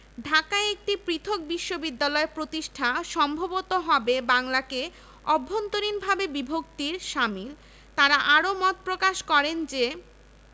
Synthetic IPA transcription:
ɖʱakaeek̚ʈipɾit̪ʰok̚biʃːobid̪ːalɔepɾot̪iʃʈʰaʃɔmbʱobot̪oɦɔbebaŋlake | ɔbʱːont̪oɾinbʱabebibʱok̚t̪iɾʃamil | t̪aɾaʔaɾomɔt̪̚pɾokaʃkɔɾend͡ʑe

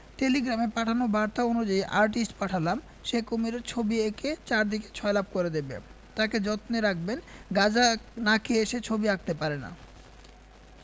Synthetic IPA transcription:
ʈeliɡɾamepaʈʰanobaɾt̪aonud͡ʑaiʔaɾʈisʈpaʈʰalam | ʃekomiɾeɾt͡ɕʰobieket͡ɕaɾd̪ike̥t͡ɕʰɔelab̚koɾed̪ebḛ | t̪aked͡ʑɔt̪neɾak̚benɡad͡ʑanakʰieʃet͡ɕʰobiak̚t̪epaɾena̰

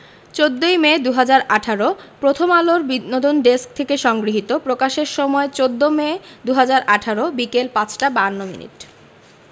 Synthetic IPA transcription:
t͡ɕod̪ːojmed̪uɦad͡ʑaɾaʈʰaɾopɾot̪ʰomaloɾbinod̪onɖesk̚t̪ʰekeʃɔŋɡɾiɦit̪opɾokaʃeɾʃɔmɔet͡ɕod̪ːomed̪uɦad͡ʑaɾʔaʈʰaɾobikelpat͡ɕʰʈabanːomḭnḭʈ

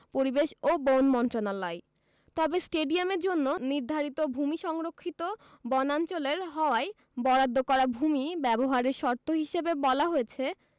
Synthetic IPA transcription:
poɾibeʃobonmɔnt̪ɾonalɔe | t̪ɔbesʈeɖiameɾd͡ʑonːoniɾd̪ʱaɾit̪obʱumiʃɔŋɾokʰːit̪o | bɔnant͡ɕoleɾɦɔoae | bɔɾad̪ʱːokɔɾabʱumibɛboɦaɾeɾʃɔɾt̪ʰːoɦiʃebebɔlaɦojet͡ɕʰe

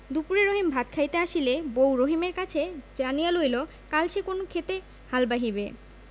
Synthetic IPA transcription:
d̪upuɾeɾoɦimbʱat̪̚kʰajt̪eaʃilebowɾoɦimeɾkat͡ɕʰed͡ʑanialojlo | kalʃekonokʰet̪e | halbaɦibe

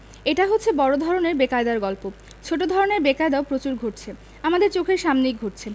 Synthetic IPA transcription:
eʈaɦotːɕʰebɔɾod̪ʱɔɾoneɾbekaed̪aɾɡɔlpo | t͡ɕʰoʈod̪ʱɔɾoneɾbekaed̪aopɾot͡ɕuɾɡʱoʈt͡ɕʰe | amad̪eɾt͡ɕokʰeɾʃamnijɡʱoʈ̚t͡ɕʰe

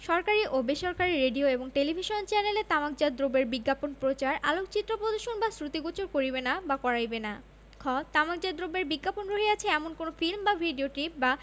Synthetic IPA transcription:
ʃɔɾkaɾiʔobeʃɔɾkaɾiɾeɖioeboŋʈelibʱiʃont͡ɕɛnelet̪amak̚d͡ʑad̪ɾobeɾbiɡːaponpɾot͡ɕaɾalok̚t͡ɕit̪ːɾopɾod̪oʃonbasɾut̪iɡot͡ɕoɾkoɾibenabakɔɾajbena | kʰɔt̪amaɡ̚d͡ʑad̪ɾobeɾbiɡːaponɾoɦiat͡ɕʰeɛmonkonofilmbabʱiɖioʈip̚ba

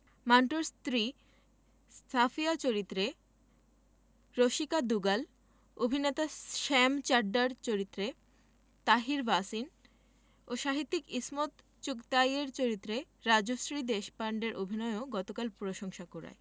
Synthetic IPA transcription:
maɳʈoɾst̪ɾi | ssafiat͡ɕoɾit̪ːɾe | ɾoʃikad̪uɡal | obʱinet̪aʃɛmt͡ɕaɾɖaɾt͡ɕoɾit̪ːɾe | t̪aɦiɾbasin | oʃaɦit̪ːikismot̪ | t͡ɕukt̪ajeɾt͡ɕoɾit̪ːɾeɾad͡ʑoʃɾid̪eʃpaɳɖeɾʔobʱinɔeoɡɔt̪okalpɾoʃoŋʃakoɾa̰e

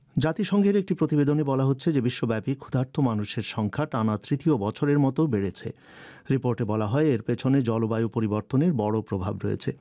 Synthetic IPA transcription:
d͡ʑat̪iʃɔŋɡʱeɾek̚ʈipɾot̪ibed̪onebɔlaɦotːɕʰed͡ʑebiʃːobɛpikʰud̪ʱaɾt̪ʰomanuʃeɾʃɔŋkʰaʈanat̪ɾit̪iobɔt͡ɕʰoɾeɾmɔt̪obeɽet͡ɕʰḛ | ɾipoɾʈebɔlaɦɔeeɾpet͡ɕʰoned͡ʑɔlobajupoɾiboɾt̪oneɾbɔɽopɾobʱabɾoḛt͡ɕʰe

